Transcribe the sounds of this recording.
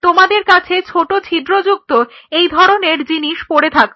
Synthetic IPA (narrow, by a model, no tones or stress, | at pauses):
t̪omad̪eɾkat͡ɕʰet͡ɕʰoʈot͡ɕʰid̪ɾod͡ʑuk̚t̪o | ejd̪ʱɔɾoneɾd͡ʑiniʃpoɾet̪ʰak